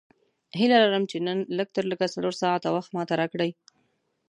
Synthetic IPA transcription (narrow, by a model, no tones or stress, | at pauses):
hɪlalaɾəmt͡ʃenənləɡ̚t̪əɾləɡasaloɾsɑʕat̪awaxt̪mɑt̪aɾɑkɽəj